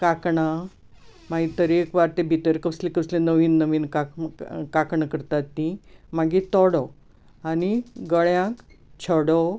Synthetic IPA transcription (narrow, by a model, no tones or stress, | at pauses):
kakɳa | maɡit̪əɾekʋaɾt̪ebʱit̪əɾkəslekəslẽnəʋiːnːəʋiːnkakakɳəkəɾt̪at̪ːimaɡit̪ɔɽɔ | aniɡəɭjãkt͡ɕʰəɽɔ